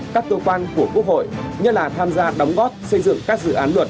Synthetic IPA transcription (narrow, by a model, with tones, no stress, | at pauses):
kaː˦˥k̚ːə˧kwaː˧nku˧˩əku˦˥ək̚hɦo̰˧˨jɲɨ˦˥t̚laː˨˩t̪ʰaː˧mzaː˧ɗə˨˦wŋ͡mɣɔ˦˥t̚sə˧jzɨ̰˧˨əŋkaː˦˥k̚zɨ̰˧˨ʔaː˨˦nlwə˨˩t̚